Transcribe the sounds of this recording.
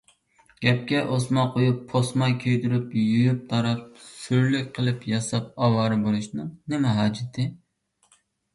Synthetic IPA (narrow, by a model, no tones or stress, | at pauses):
ɡ̥ʲɛp̚kʲɛʔosmɑqojupʰːosmɑjkʲʰøjd̪yɾypjujyp̚t̪ʰɑɾɑp̚syɾlykʲqʰəlˠɨpjɑsɑp̚ɑwɑːɾɨbolˠuʃnɨŋnɪmɛɦɑːd͡ʒɪt̪ʰɪ